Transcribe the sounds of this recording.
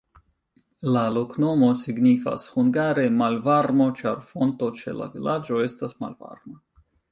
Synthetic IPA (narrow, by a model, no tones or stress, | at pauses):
lalo̞kno̞mo̞siɡnifa̰shuŋɡaɾe̞malvaɾmo̞t͡ʃaɾfo̞nt̪o̞t͡ʃe̞̰la̰vilad͡ʒo̞e̞stasma̰lva̰ɾma